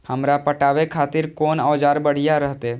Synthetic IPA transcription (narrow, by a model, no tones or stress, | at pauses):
həmɾapəʈaːʋekʰaːt̪ɪɾkɔːnɔːd͡ʒaːɾbəɽ̤ijaɾəɦt̪e